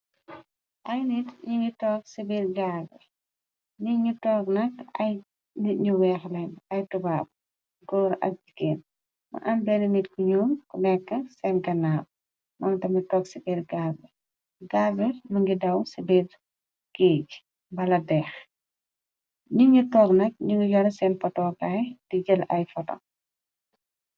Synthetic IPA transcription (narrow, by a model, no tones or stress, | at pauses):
ʔɐjnitɲuŋɡitɔːk̚sibiːrɡaɡɛ̰ | niɲutɔːknɐkɐ̰j | niɲuwɛːxlɛnɐjtubaːb̚ | ɡɔːɾʔɐ̰k̚d͡ʒikeːn | mɐ̰ʔɐmbɛnɐmitkuɲuːmkunɛkːɐsɛnɡɐnaːb̚ | mɐŋtɐmɐtɔːksipɛɾɡaːbɛ | ɡaːbɛmɐŋɡidɐwsibɛɾ | keːɟ | bɐlɐdɛːx | ɲiŋutɔːknɐk̚ɲuŋɡijɔɾɐsɛnpɐtɔːkajdiɟəlɐjfɐtɔ̰